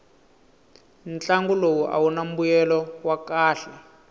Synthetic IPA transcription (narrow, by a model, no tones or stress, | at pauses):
nt͡ɬaŋɡulowuʔa̰wunam̩bujɛlɔwakaːɬɛ